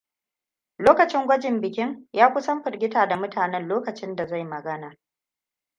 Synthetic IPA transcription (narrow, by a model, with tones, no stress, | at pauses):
loː˦kɐ˨t͡ʃɪ˦ŋɡʷɐ˦d͡ʒɪ˨mbɪ˨kʲɪ˦ŋjaː˦kʷʊ˦sɐ˦mɸɪ˨rɡʲɪ˦taː˨da˨mʊ˦taː˨nɛ˦nloː˦kɐ˨t͡ʃɪ˦nda˨za˦˨jmɐ˨ɡɐ˦naː˨